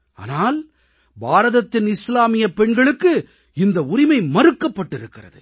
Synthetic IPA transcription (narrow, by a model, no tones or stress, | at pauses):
a̰ːnaːl | baːɾɐðɐt̪ːɪnɪslaːmɪjɐpːɛɳɡɐɭɯkːɯ | ɪnd̪ɐʊɾɪmɐɪmɐɾɯkːɐpːɐʈːɪɾɯkːɪrɐ̰ðɯ̰